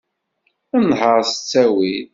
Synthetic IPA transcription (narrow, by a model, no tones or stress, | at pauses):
ænhəɾˤsə̥t͡sːæwið